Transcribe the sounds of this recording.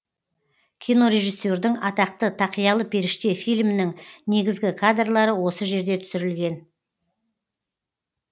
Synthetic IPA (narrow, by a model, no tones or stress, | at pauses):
kʲʰijno̞ɾe̞ʒisːo̞ɾd̪ɪŋɑt̪ɑq̚t̪ət̪ʰɑqijɑlˠəpʰe̞ɾɪʃt̪e̞fijlmɪnɪŋne̞ɡʲɪzɡʲɪkʰad̪rlˠɑɾəwo̞səʒe̞ɾd̪e̞t̪ʰʏ̥sɪɾɪlɡʲe̞n